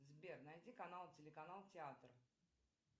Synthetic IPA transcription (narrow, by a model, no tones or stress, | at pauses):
zbʲernɐjdʲikɐnalˠtʲɪlʲɪkɐnalˠtʲɪat̪r